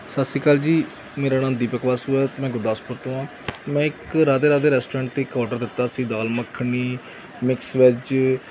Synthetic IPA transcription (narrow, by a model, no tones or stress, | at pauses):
sasiːkaːld͡ʒiː | meːɾaːnãːnd̪iːpəkʋaːsɦʊɛːt̪ːmɛ̃ːɡʊɾd̪aːspʊɾt̪õːãː | mɛ̃ːɪkɾaːd̪eːɾaːd̪eːɾɛːsʈoːɾɛ̃ːɳʈ̚t̪eːɪkɔːɾʈəɾd̪ɪt̪ːaːsĩːd̪aːlməkʰːɳiː | mɪksʋɪt͡ʃ